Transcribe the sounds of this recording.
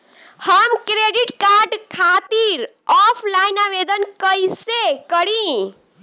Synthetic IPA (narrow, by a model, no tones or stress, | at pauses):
həmkɾeɖiʈkaɾɖkʰat̪iɾ | ɔpʰlainabed̪ənkəjsekəɽĩ